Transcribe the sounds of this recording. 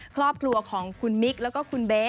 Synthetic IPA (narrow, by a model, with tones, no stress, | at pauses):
kʰɾɔː˥˩p̚kʰlu˧ɐkʰɔː˩˦ŋkʰu˧nmi˦˥k̚lɛː˦˥wkɔː˥˩kʰu˧nbeː˦˥